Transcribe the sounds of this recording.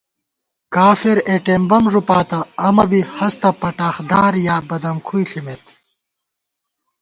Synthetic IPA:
kaːfiɾeʈembɐmʐupaːt̪ɐːmɐbihɐst̪ɐpɐʈaːxd̪aːɾjaːbɐd̪ɐmkʰujɬimet̪

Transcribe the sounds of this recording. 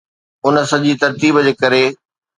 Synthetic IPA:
ʊnəsɐʄiːt̪ɐɾt̪iːbd͡ʑeːkɐɾe

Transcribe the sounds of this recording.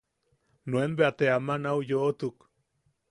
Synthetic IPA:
nwenbeat̪eamanawjoːt̪uk

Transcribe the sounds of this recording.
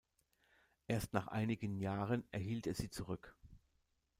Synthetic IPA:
ʔeːɐstnaːχʔa̰ɪnɪɡənjaːʁənɛɐɦiːlteːɐz̥iːt͡suʁʏk

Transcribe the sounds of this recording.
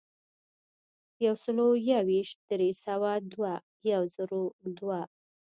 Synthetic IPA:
jawsəlojawiʃt̪̚d̪̥ɾesawad̪wa | jawzəɾod̪wa

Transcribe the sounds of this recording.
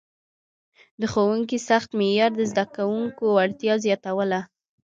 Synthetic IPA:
d̪əxowuŋk̬isaxt̪mejɑɾd̪əzd̪akawuŋkowaɽt̪jɑzjɑt̪awəla

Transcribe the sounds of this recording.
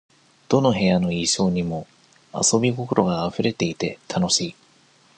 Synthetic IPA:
d̪̥o̞no̞ɦe̞jano̞iːɕo̞ːɲ̟imo̞ | a̰so̞bʲiko̞ko̞ɾo̞ɡaːɸɯ̟ɾe̞t̪e̞it̪e̞t̪ʰano̞ɕiː

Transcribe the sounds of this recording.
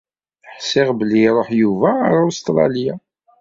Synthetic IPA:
ħsːɪʁbəlːiɾˤoħjuvæɾʊst̪ɾˤɑ̰lja

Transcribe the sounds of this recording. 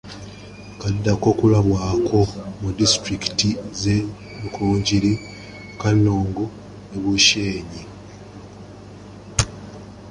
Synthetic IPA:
kadːako̞kulaβwaːkʰo̞mudistɾiki̥tize | mukʰuːɲɟiɾi | kanːoːŋɡo | neβuʃeːɲi

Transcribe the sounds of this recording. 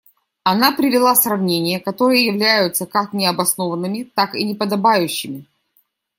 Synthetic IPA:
ɐnapɾʲɪvʲɪlˠasrɐvnʲenʲɪjəkɐt̪o̞ɾɨjəjɪvlʲæjʊt̪səkaknʲɪɐbɐsno̞vənːɨmʲɪt̪akɪnʲɪpəd̪ɐbajʉɕːɪmʲɪ

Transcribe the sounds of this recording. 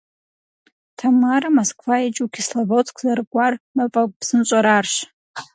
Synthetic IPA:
tʰamaɾamoskʰʼfait͡ʃʼukʰʲislavot͡sʰkʰʷzarɡʷarmapʼakʼpsɨnt͡ʃʷʼaɾarʃ

